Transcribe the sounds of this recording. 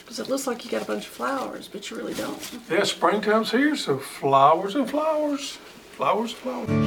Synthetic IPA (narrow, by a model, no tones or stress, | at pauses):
kʰʌzɨtˡlʊkslaɪkjɨɡɛɾəbʌ̃nt͡ʃʌ̥v̥flaʊə̰˞z̥b̥ʌt͡ʃɨɹɪlˠidõ̰ʊ̃ntjæspɹɪ̃ŋkʰʌ̃mz̥hiɹsoʊflaʊə˞zə̃nflaʊə˞z̥ | flaʊə˞z̃nflaʊə˞